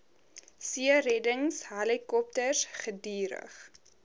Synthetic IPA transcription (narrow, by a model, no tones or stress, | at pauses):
siərɛdəŋsɦɐlikɔp̚tərsχədiːɾə̰χ